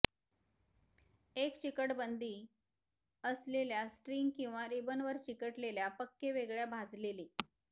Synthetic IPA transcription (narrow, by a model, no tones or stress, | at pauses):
ekt͡ɕikəʈbənd̪ʱiː | əsleljasʈɾiŋɡkĩw̃ʋaɾibənʋəɾt͡ɕikəʈleljapəkːeʋeɡɭjabʱad͡zleliː